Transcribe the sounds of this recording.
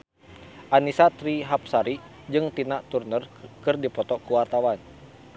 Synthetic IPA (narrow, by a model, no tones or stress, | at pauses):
ʔanisat̪ɾiɦap̚saɾi | d͡ʒɨŋt̪inaʔt̪urnərkɨrdipɔt̪ɔkuwart̪awan